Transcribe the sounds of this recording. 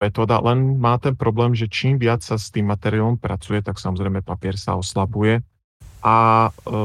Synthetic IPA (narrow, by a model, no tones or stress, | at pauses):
ɛt̪ɔːd̪a̰lɛnmaːt̪ɛnpɾɔblɛːmʒɛt͡ʃiːmʋɪat͡ssast̪iːmːat̪ɛɾialɔmpɾʔa̰t͡sujɛt̪aksamɔzɾɛjmɛpapɪɛɾsa̰ɔslabujɛ | ʔa